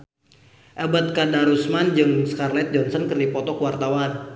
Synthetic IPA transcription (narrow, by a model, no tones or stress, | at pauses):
ʔəbət̪̚kadaɾusmand͡ʒɨŋskarlɛt̪̚d͡ʒɔnsɔnkɨrdipɔt̪ɔkwart̪awan